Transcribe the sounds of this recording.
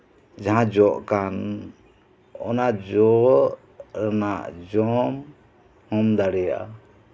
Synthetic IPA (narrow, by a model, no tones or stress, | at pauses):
d͡ʒaɦãd͡ʒɔʔkan | ɔ̰nad͡ʒɔʔ | ɾanaʔd͡ʒɔm | hɔmd̪aɽɛja̰ʔa̰